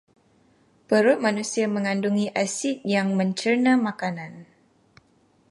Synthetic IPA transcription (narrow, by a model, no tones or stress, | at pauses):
pəɾʊmanusiaməŋanduŋiʔasit̪̚jaŋməɲt͡ʃərnamakanan